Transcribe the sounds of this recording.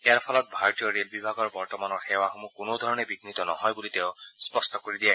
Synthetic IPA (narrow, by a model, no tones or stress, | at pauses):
ejaɾpʰɔlɔt̪̚bʱaɾɔt̪ijɔɾelbibʱaɡɔɾbɔɾt̪ɔmanɔɾxewaxomũkunod̪ʱɔɾɔɽ̃ebiɡnit̪ɔnɔɦɔjbulit̪ewspɔsʈɔkoɾid̪ia